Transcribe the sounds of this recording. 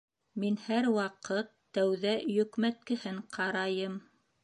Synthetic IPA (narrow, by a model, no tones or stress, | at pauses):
minhæɾwɑqɤt̪ːæwðæjɵ̆kmæt̪̚kɘ̆hɘɴqʰɑɾɑjɤm